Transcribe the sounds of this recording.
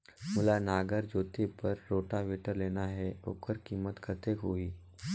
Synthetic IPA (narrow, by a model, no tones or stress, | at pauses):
mʊlanaːɡəɾd͡ʒoːt̪epəɾːoːʈaʋeːʈəɾleːnaɦɛo̰ːkəɾkiːmət̪kʰət̪ekɦoiː